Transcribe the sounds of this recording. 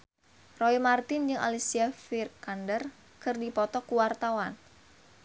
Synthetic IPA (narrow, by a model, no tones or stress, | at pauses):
rɔimart̪ɪnd͡ʒɨŋʔa̰lisiafirkandər | kɨrdipɔt̪ɔkuwart̪awan